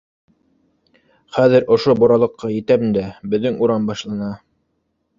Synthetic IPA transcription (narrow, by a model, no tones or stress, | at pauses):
χæðɘɾʔŏʃobuɾɑlˠɤ̆qːɑjɘ̆t̪æmɘnd̪æbɘ̆ðːɘŋuɾɑmbɑʃlˠɑnɑ